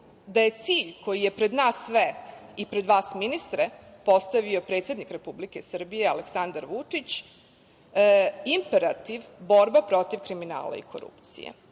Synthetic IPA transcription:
d̪aje̞t̪siːʎko̞jije̞pɾe̞d̪naːsːʋeipɾe̞d̪ʋaːsminist̪ɾepo̞st̪aʋio̞pɾe̞t̪sʲe̞d̪nikɾe̞publike̞sr̩bije̞aleksand̪aɾʋut͡ʂit͡ɕ | impe̞ɾat̪iʋbo̞ɾbapɾo̞t̪iʋkɾimina̰ːla̰ḭkʰo̞̰ɾṵpt̪sḭjḛ

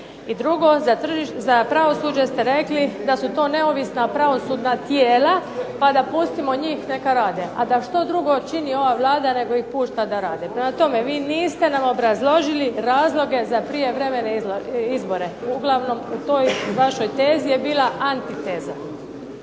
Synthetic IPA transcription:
id̪ɾuɡozat̪r̩ʒizapɾaʋo̞suːd͡ʒest̪e̞ɾe̞klid̪asut̪o̞ːne̞oʋisnapɾaʋo̞suːd̪nat̪jeːlapad̪apust̪imo̞ɲiːxne̞kaɾaːd̪eʔad̪aʃt̪o̞d̪ɾuɡo̞t͡ʃinio̞ʋaʋlˠaːd̪ane̞ɡo̞ixpuːʃt̪ad̪aɾaːd̪epɾemat̪o̞me̞ʋiːniːst̪e̞namobɾazlˠo̞ʒiliɾaːzlˠo̞ɡe̞zapɾije̞ʋɾe̞me̞neiloizbo̞ɾe̞uɡlˠaʋno̞mut̪ojʋaʃo̞jt̪e̞ːzijebiːlˠaʔant̪it̪eːza

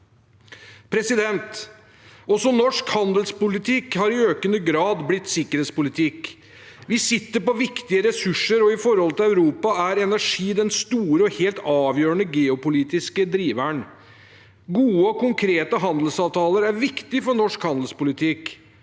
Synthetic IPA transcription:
pʰɾɛsɪd̪ɛnt̪ | ɔsɔnɔʂkhɑnd̪əlspʊlɪt̪ʰɪkhɑɾɪøːkənəɡɾɑːd̪blɪt̪ːsɪkːəɾheːt̪spʊlɪt̪ʰɪk | ʋɪsɪt̪ːəɾpɔʋɪkt̪ɪəɾɛsʉʂːəɾɔɪfɔɾhɔlət̪ʰɪlæʉɾuːpɑæɾɛnæʂiːd̪ɛnst̪uːɾəɔheːlt̪ɑːʋjøːɾəɳəɡeːʊpʊliːt̪ɪskəd̪ɾiːʋæɳ | ɡuːəɔkʊŋkʰɾeːt̪əɦɑnd̪əl̩sɑːʋt̪ʰɑːləɾæɾʋɪkt̪ɪfɔɳɔʂkhɑnd̪l̩spʊlɪt̪ʰɪk

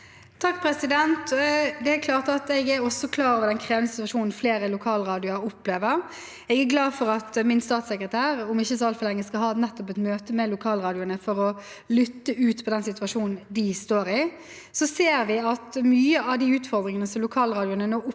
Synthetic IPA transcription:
t̪ʰɑkːpʰɾɛsɪd̪ɛnt̪d̪ɛækʰlɑːʁt̪ɑt̪ɛɡæɾɔsɔkʰlɑːɾɔʋəɾd̪ɛnkʰʁeːʋənəsɪt̪ʋɑʂuːnn̩fleːɾəlʊkʰɑːlɾɑːd̪ɪʊɑɾʊpːleːʋəʁ | ɛɡæɾɡlɑːdfɔɾɑt̪mɪnst̪ɑːt̪sɛkɾət̪ʰæːɾʊmɪçːəsɔɑlt̪fɔlɛŋːəskɑlhɑːnɛt̪ːɔpɛt̪møːt̪əmɛlʊkʰɑːlʁɑːd̪ɪʊnəfɔɾɔ | lʏt̪ːəʔʉːt̪pʰɔd̪ɛnsɪt̪ʉɑʂuːnn̩d̪ɪst̪oːɾɪ | sɔseːɾʋɪɑt̪myːəɑʋd̪iʉːt̪fɔʁd̪ɾɪŋənəsɔmlʊkʰɑːlʁɑːd̪ɪʊnənoːʊ

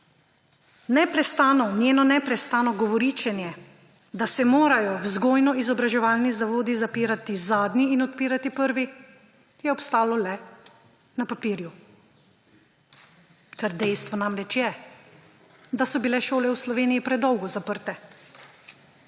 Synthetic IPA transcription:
nɛpɾɛst̪aːnɔnjeːnɔnɛpɾɛst̪aːnɔɡɔʋɔɾiːt͡ʃɛnjɛ | d̪asɛmoːɾajɔwzɡoːjnɔizɔbɾaʒɛʋaːlnizaʋoːd̪izapiːɾat̪izaːd̪niːnɔt̪̚piːɾat̪ipəɾʋi | jɛɔpst̪aːlɔlɛ | napapiːɾju | kaɾd̪ɛjst̪ʋɔnamɾɛt͡ʃjɛ | d̪asɔbilɛʃoːlɛwslɔʋeːnijipɾɛd̪ɔwɡɔzapəɾt̪ɛ

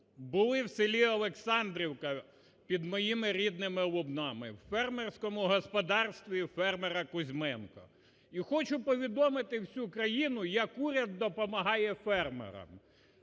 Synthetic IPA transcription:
bʊlˠɪwsɪlʲiɐlˠeksɑnd̪ɾʲiwkɐ | pʲid̪mɔjimɪɾʲid̪nɪmɪlˠʊbnɑmɪ̰wfɛrmersʲkɔmʊɦɔspɔd̪ɑrst̪ʋʲifɛrmeɾɐkʊzʲmɛnkɔ̰ | ixɔt͡ʃʊpɔʋʲid̪ɔmɪt̪ɪwsʲukɾɐjinʊjɐkuɾʲɐd̪ːɔpɔmɐɦɑjɛfɛrmḛɾɐ̰m

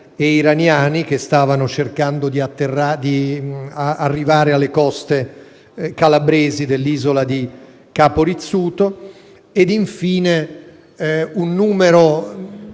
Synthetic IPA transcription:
eiɾanjaːnik̟est̪aːvanot͡ʃerkand̪od̪iat̪ːerad̪iaarːivaːɾealːekɔst̪e | kalabɾeːzid̪elːiːzolad̪i | kaːpoɾit̪sːuːt̪o | ed̪iɱfiːne | unːuːmeɾo

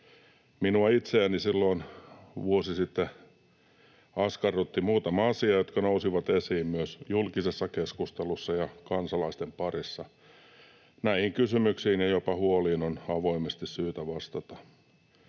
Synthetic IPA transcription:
minuɑit̪seænisilːoinʋuosisit̪ːe | ɑskɑrut̪ːimuːt̪ɑmɑɑsiɑjot̪kɑnousiʋɑt̪esiːmmyøsjulkisesːɑkeskust̪elusːɑjɑkɑnsɑlɑist̪empɑrisːɑ | næihiŋkysymyksiːnjɑjopɑhuoliːnonɑʋoimest̪issyːt̪æʋɑst̪ɑt̪ɑ

